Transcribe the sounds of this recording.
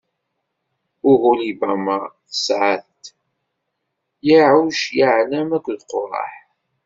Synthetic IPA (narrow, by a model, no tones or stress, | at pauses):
ʊɣʊlibæmaθəsʕaθt̪ | jiʕawʃjaʕnæmækʷːðqːoɾˤɑ̰ħ